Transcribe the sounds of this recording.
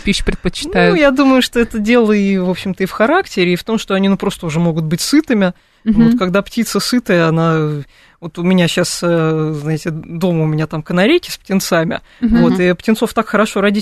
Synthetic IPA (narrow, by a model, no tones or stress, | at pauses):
pʲiɕpɾʲɪt̪pət͡ɕːɪ̥najʊjad̪uməjʊʂt̪o̞ɛt̪ədʲe̞lˠəivo̞pɕːɪmt̪əifxɐɾaktʲɪɾʲɪːft̪o̞mʂt̪o̞ɐnʲinupɾo̞st̪əʊʐɛmo̞ɡʊt̪̚bɨtʲsɨt̪ɨmʲɪ | vot̪kɐɡd̪aptʲit̪səsɨt̪əjəɐna | vo̞t̪ʊmʲɪnʲaɕasəznaɪtʲɪd̪o̞məʊmʲɪnʲat̪amkənɐɾʲejkʲɪ̥sp̚tʲɪnt̪samʲɪ̰ | vo̞t̪ɪptʲɪnt̪so̞ft̪akxəɾɐʂo̞ɾadʲi